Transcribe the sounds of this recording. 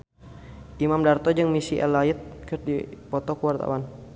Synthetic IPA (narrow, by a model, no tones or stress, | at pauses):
ʔimamdart̪ɔd͡ʒɨŋmisiʔɛ̰laɪt̪̚kərdipɔt̪ɔkəwart̪a̰wan